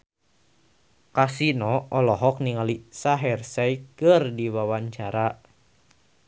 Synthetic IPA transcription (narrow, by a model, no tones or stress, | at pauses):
kasinɔɔlɔɦɔk̚niŋalisaɦɛrsaikɨrdiwawaɲt͡ʃaɾa